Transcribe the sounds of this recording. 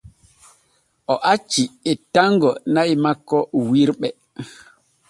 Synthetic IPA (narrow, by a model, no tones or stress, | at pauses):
ʔɔʔat͡ʃːiɛtaŋɡɔnaimakːɔwiɾɓɛ